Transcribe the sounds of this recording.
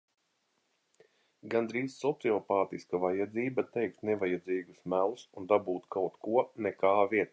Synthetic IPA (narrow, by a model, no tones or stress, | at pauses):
ɡand̪ɾiːzːɔt̪siɔpaːt̪iskavajad̪ziːbat̪ɛjk̚t̪nɛvajad̪ziːɡusmælˠusund̪abuːt̪kawt̪kuɔnɛkaːvʲiɛt̪ː